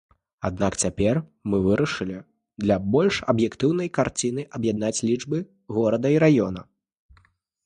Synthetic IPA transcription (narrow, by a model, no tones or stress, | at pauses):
a̰d̪̚nakt͡sʲapʲɛrmɨvɨɾɐʂɨlʲi | d̪lʲɐbɔlʲʂɐbjɛkt̪ɨwnɐjkart͡sʲin̪ɨʔɐbjad̪̚nat͡sʲlʲid͡ʐbɨ | ɣɔɾɐd̪ɐiɾajɔnɐ